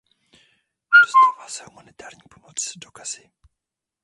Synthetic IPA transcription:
d̥ost̪aːvalasɛhumanɪt̪aːɾɲipomot͡sdokaz̥ɪ

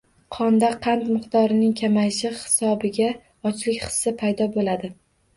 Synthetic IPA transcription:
qʰɒnd̪aqʰɑnt̪mɪqt̪ɒɾɪnɪŋkʲʰamajɪʃɪhɪ̥sɒbɪɡʲa | ɒt͡ʃʰlɪkʲχɨ̥sːɪpʰajd̪ɒbolad̪ɪ

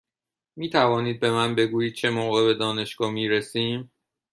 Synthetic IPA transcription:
miːt̪ʰævɒːniːd̪̚be̞mænbe̞ɡuːjiːd̪̚t͡ʃʰe̞moːɣe̞be̞d̪ɒːne̞ʃɡ̥ɒːmiːɾesiːm

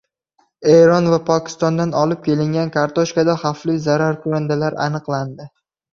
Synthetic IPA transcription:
eɾɒnvapʰɒkʲɪ̥st̪ɒnd̪anɒlɪp̚kʲe̞lɪŋɡʲankʰaɾt̪ʰoʃkad̪aχaflijzaɾaɾkʰʊand̪alaɾa̰nɨqlˠand̪ɪ

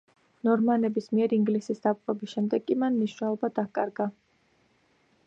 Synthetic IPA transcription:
nɔɾmanɛbismiɛɾiŋɡlisisd̪ap̚qʼɔbisʃɛmd̪ɛɡʼimanmniʃnɛlˠɔbad̪akʼaɾɡa

